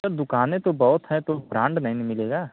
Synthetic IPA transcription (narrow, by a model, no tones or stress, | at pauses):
əɾd̪ʊkaːnẽt̪obɔɦʊt̪ɦɛ̃t̪opɾãːɳɖnɐɦĩnimɪleːɡaː